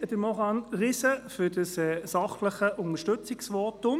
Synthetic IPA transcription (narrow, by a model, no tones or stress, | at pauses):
d̪əmɔχɑnʁɪsəfʏdəsɛsɑχləχəʔʊnəʃtɵt͡sɪksʋɔtʊm